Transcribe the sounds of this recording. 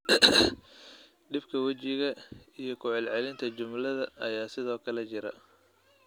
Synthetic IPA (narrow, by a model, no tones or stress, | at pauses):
ɖɪbkʰɐwɐt͡ʃɪɣɐijɞkʰʊʕɛlʕɛlɪnt̪ʰɐt͡ʃʊmlɐðɐɐjaːsɪðɔːkʰɐlɛt͡ʃɪɾɐ